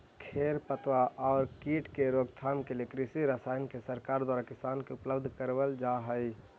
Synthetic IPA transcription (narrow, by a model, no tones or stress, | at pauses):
kʰeːɾpət̪waʔɔːɾkiːʈkeɾoːɡt̪ʰaːmkelekɾisiɾasaːjnkesəɾkaːɾd̪waːɾakɪsaːnkeʊpləbd̪ʱkəɾʋəld͡ʒaɦəɪ